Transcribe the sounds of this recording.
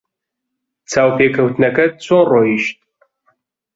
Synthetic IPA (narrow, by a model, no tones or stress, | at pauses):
t͡sʰaːwpʰeːkʰɐwt̪nɐkɐt̚t͡sʰoːnroːiʃt̪̚